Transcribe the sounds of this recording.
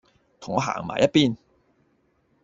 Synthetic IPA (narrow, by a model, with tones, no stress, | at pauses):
t̪ʰʊ˨˩ŋɔː˨˧ɦa̰ː˨˩ŋma̰ː˨˩jɐ˥t̚piː˧n